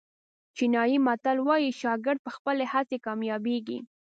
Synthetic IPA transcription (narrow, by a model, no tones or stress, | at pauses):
t͡ʃinɑjimat̪alwɑjiʃɑɡɪɾd̪̚pəxpəlehat͡sekɑmjɑbeɡḭ